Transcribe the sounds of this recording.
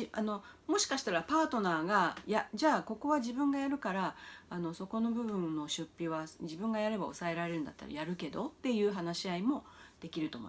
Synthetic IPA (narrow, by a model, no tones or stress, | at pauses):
iʔa̰no̞mo̞ɕi̥kaɕi̥t̪aɾapaːt̪o̞naːɡajaʑaːko̞ko̞βaʑibɯ̟̃ŋɡajaɾɯ̟kaɾaːno̞so̞ko̞no̞bɯ̟βɯ̟̃nːo̞ɕɨpʲːiβad͡ʑibɯ̟̃ŋɡajaɾe̞bao̞sae̞ɾaɾe̞ɾɯ̟nd̪a̰t̪ːa̰ɾa̰jaɾɯ̟ke̞d̪o̞t̪ːe̞jɯːɦanaɕiaimo̞d̪̥e̞kʲiɾɯ̟t̪o̞mo̰